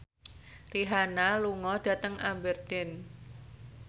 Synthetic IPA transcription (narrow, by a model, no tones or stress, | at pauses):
riɦanaluŋɔɖ̥ä̤t̪əŋʔabərt̪ɪn